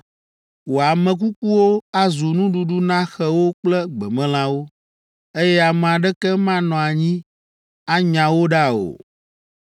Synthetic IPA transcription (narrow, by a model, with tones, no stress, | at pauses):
wo˨a˨mɛ̃˨k̬u˦ku˦wo˦a˦zu˨nũ˦ɖu˨ɖu˦nã˦xɛ˨wo˦k͡plɛ˦ɡ͡bɛ˨mɛ̃˦l̃ã˦wo˦ | e˦jɛ˦a˨m˨a˨ɖɛ˦kɛ˦mã˦nɔ̃˨a˨ɲĩ˦ | a˦ɲã˨wo˦ɖa˦˨o̰˨